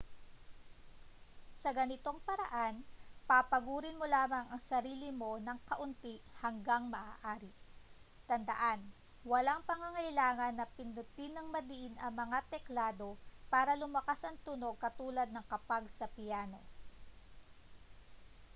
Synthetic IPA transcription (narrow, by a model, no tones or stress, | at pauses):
sɐɡɐnɪt̪o̞ŋpɐɾɐʔanpapɐɡuːɾɪnmolaːmɐŋɐŋsɐɾiːlɪmo̞nɐŋkɐʔʊnt̪ihɐŋɡaŋmɐʔaːʔaːɾɪ | t̪ɐnd̪ɐ̰ʔan | wɐlaŋpɐŋɐŋɐjlaːŋɐnːɐpɪnʊt̪inɐŋmɐd̪iʔɪnʔɐŋmɐŋat̪ɛklaːd̪o̞paːɾɐlʊmɐkasɐŋt̪uno̞ɡ̚kɐt̪uːlɐd̪̚nɐŋkɐpaɡsɐpɪjaːno̞̰